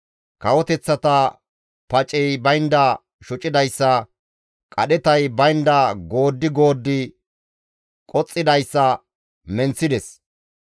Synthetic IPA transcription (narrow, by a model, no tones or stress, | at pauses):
kɐwɔt̪ɛt͡sːɐt̪ɐ | pɐt͡ʃʼɛjbɐjnd̪ɐ | ʃʊt͡ʃʼɪd̪ɐjsːɐ | kʼɐɗɛt̪ɐjbɐjnd̪ɐɡo̞ːd̪ːɪɡo̞ːd̪ːɪ | kʼɔt͡sʼːɪd̪ɐjsːɐ | mɛnt͡sːɪd̪ɛs